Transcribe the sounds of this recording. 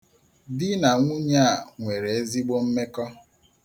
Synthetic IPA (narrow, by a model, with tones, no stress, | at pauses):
dɪ˦na˨ŋʷu˦ɲa˦a˨ŋʷe˨ɾe˨e˦zi˦ɡ͡bo˦m̩˦me˦kɔ˦